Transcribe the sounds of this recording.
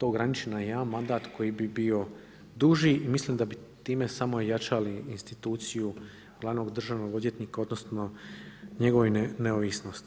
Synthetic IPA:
t̪o̞ːɡɾanit͡ʃenajanmːand̪aːt̪kʰo̞jibibio̞ | d̪uʒiimisliːmd̪abit̪iːme̞samoojat͡ʃaliinst̪it̪uːt̪siju | ɡlad̪no̞ɡd̪r̩ʒaːʋno̞ɡo̞d̪je̞t̪nikao̞d̪no̞snoɲe̞ɡo̞ʋojnneoʋisno̞st̪i̥

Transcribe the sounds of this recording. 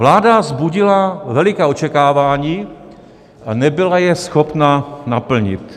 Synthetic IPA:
vlaːdazbuɟɪlavɛlɪkɛːot͡ʃɛkaːvaːɲiː | ʔanɛbɪlajɛsxopnanapl̩ɲɪ̰t̪

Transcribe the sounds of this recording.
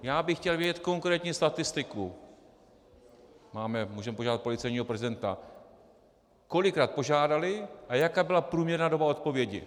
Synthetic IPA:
jaːbɪxcɛlvjɛɟɛt̪ko̞ŋkɾɛːt̪ɲist̪at̪ɪst̪ɪku | maːmɛmuːʒɛmɛpoʒaːdat̪̚po̞lɪt͡sɛjɲiːɦo̞pɾɛzɪdɛnt̪a̰ | ko̞lɪkɾaːt̪̚po̞ʒaːdalɪʔajakaːbɪlapɾuːmɲɛɾnaːdo̞bao̞t̪po̞vjɛɟɪ̰

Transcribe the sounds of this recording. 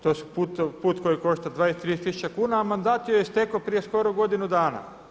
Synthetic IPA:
t̪osu̥put̪puːt̪ko̞jiko̞ʃt̪ad̪ʋaːjest̪ɾiest̪isu̥t͡ɕakuːnaːmand̪aːt̪jojest̪ekopɾije̞sko̞ɾoɡo̞d̪inud̪aːna̰

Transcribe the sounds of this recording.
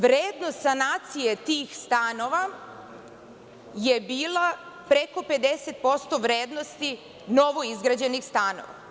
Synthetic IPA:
ʋɾeːd̪nost̪sanaːt̪sijet̪iːxst̪ano̞ʋa | je̞biːlˠa | pɾe̞ko̞pe̞d̪e̞set̪̚po̞st̪o̞ʋɾeːd̪no̞st̪i | no̞ʋo̞izɡɾad͡ʑe̞nixst̪ano̰ʋa̰

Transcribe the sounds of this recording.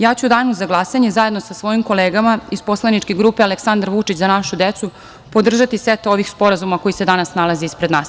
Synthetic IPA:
jaːt͡ɕud̪aːnuzaɡlˠasaɲe̞zaje̞d̪nosasʋo̞jimko̞leːɡamaizpo̞slˠanit͡ʃkeɡɾuːpealeksand̪aɾʋut͡ʃit͡ɕzanaʃud̪et̪su | po̞d̪r̩ʒat̪iset̪o̞ʋixspo̞ɾazumako̞jise̞d̪anasnalˠaziispɾed̪naːs

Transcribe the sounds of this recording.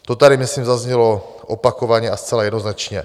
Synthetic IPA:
t̪ot̪aɾɪmɪsliːmzazɲɛlo | ʔopakovaɲɛast͡sɛlajɛdnoznat͡ʃɲɛ

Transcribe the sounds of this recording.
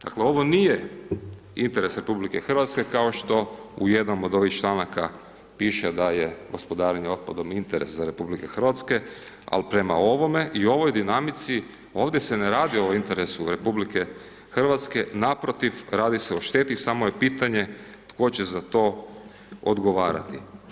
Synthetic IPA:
d̪̥akleo̞ʋo̞nije | int̪e̞ɾesɾe̞publike̞xr̩ʋat̪ske̞kao̞ʃt̪o̞uje̞d̪nomod̪o̞ʋixt͡ʃlˠanaka | piːʃed̪ajeɡo̞spo̞d̪aːɾeɲeo̞d̪̚pad̪o̞mint̪eɾe̞̰szaɾe̞publike̞xr̩ʋat̪ske̞ | a̰lpɾe̞ma̰o̞ʋo̞me̞ʔio̞ʋo̞jd̪inamit̪si | o̞ːʋd̪jeseneɾaːd̪ioint̪eɾesuɾe̞publike̞ | xr̩ʋat̪ske̞napɾo̞t̪ifɾaːd̪iseoʃt̪et̪isamo̞jepiːt̪aɲe̞ | t̪ko̞t͡ɕezat̪o̞ː | o̰d̪ɡoʋaːɾa̰t̪i

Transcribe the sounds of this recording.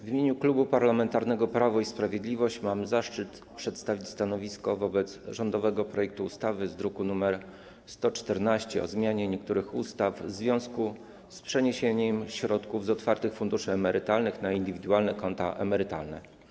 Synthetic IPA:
vʲimʲjeɲuklubupaɾlamɛnt̪aɾnɛɡɔpɾavɔispɾavʲjed̪lʲivɔɕt͡ɕmamzaʂt͡ʂɘt̪ | pʂɛt̪st̪avʲit͡ɕst̪anɔvʲiskɔvɔbɛt̪sʐɔnd̪ɔvɛɡɔpɾɔjɛk̚t̪uːst̪avɘzd̪ɾukunumɛɾ | st̪ɔt͡ʂt̪ɛɾnaɕt͡ɕɛɔ̰zmʲjaɲɛɲɛk̚t̪uɾɘxust̪avzvʲjɔ̃w̃sku | spʂɛɲeɕeɲɛmɕɾɔt̪kuvzɔt̪faɾt̪ɘxfund̪uʂɘɛmɛɾɘt̪alnɘxnaind̪ɘvʲid̪ualnɛkɔnt̪a̰ʔɛ̰mɛɾɘt̪a̰lnɛ̰

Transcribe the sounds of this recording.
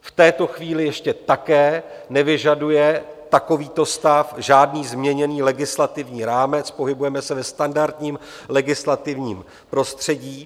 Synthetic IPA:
ft̪ɛːt̪o̞xviːlɪjɛʃcɛt̪akɛːnɛvɪʒadujɛt̪ako̞viːt̪o̞st̪afʒaːdniːzmɲɛɲɛniːlɛɡɪslat̪ɪvɲiːɾaːmɛt͡spo̞ɦɪbujɛmɛsɛvɛst̪andaɾt̪ɲiːm | lɛɡɪslat̪ɪvɲiːm | pɾo̞st̪r̝̥ɛɟiː

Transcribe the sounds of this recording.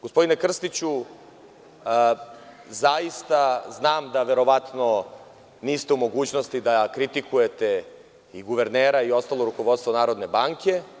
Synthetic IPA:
ɡ̥ospod̪ine̞kr̩st̪it͡ɕu | zaist̪aznaːmd̪aʋe̞ɾo̞ʋat̪no̞ | niːst̪eumo̞ɡuːt͡ɕnost̪id̪akɾit̪ikuje̞t̪e | iɡuʋe̞ɾneːɾaio̞st̪aːlˠo̞ɾuko̞ʋo̞t̪st̪ʋonaːɾo̞d̪ne̞baːŋke̞

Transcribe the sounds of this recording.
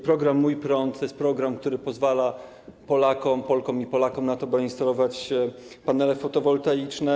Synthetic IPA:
pɾɔɡɾamːujpɾɔnt̪t̪ːjɛst̪pɾɔɡɾamkt̪uɾɘpɔzvala | pɔlakɔmpɔlkɔmipɔlakɔmnat̪ɔbɘinst̪alɔvat͡ɕ | panɛlɛfɔt̪ɔvɔlt̪ajit͡ʂnɛ

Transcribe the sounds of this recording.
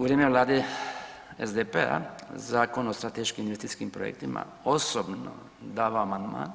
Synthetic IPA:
uʋɾeːmeʋlˠaːd̪e | ḛzd̪epea̰zaːkonost̪ɾat̪eʃkiminʋest̪it̪skimpɾojḛk̚t̪ima̰ | osobno̰ | d̪aːʋaːmand̪ma̰ːn

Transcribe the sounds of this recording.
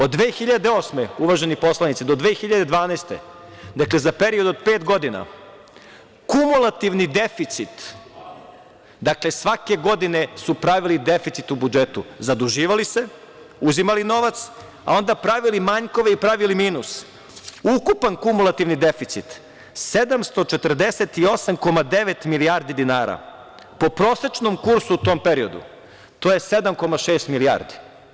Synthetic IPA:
o̞d̪ːʋeːxiʎad̪eoːsmeuʋaʒe̞nipo̞slˠanit̪sid̪o̞d̪ʋeːxiʎad̪e̞d̪ʋaːnaːst̪e̞̰ | d̪akle̞zape̞ɾio̞d̪o̞d̪̚pe̞ːt̪ɡo̞d̪ina̰ | kumulˠat̪iʋnid̪e̞fit̪sit̪ | d̪akle̞sʋake̞ɡo̞d̪ine̞supɾaʋilid̪efit̪sit̪ubud͡ʒet̪ṵzad̪uʒiːʋalise̞ | uzimalino̞ʋat̪s | a̰o̞nd̪apɾaʋilimaɲko̞ʋeipɾaʋilimiːnus | ukupankumulˠat̪iʋnid̪e̞fit̪sit̪ | se̞d̪amst̪o̞t͡ʃet̪r̩d̪eset̪io̞samko̞mad̪eʋet̪miliaɾd̪id̪inaːɾa̰ | po̞pɾo̞ːset͡ʃno̞mkuɾsuːt̪o̞mpeɾio̞d̪ṵ | t̪o̞jesed̪amko̞maʃeːst̪milia̰ɾd̪i

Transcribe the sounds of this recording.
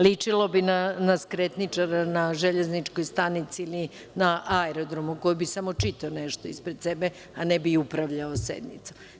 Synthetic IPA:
lit͡ʂilo̞binanaskɾet̪nit͡ʂaɾanaʒeʎeznit͡ʂkojst̪anit̪siili | naʔaɛɾod̪ɾo̞muko̞jbisamo̞t͡ʂit̪aoneʃt̪oispɾed̪sebe | anebiupɾaʋʎaosḛd̪nḭt̪su̥

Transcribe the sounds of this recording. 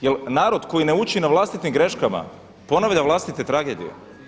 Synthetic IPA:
jelnaːɾo̞d̪ko̞jine̞ut͡ɕinaʋlˠast̪it̪imɡɾe̞ʃkama̰ | po̞naʋʎʲaʋlˠast̪it̪e̞t̪ɾaɡe̞d̪ḭjḛ

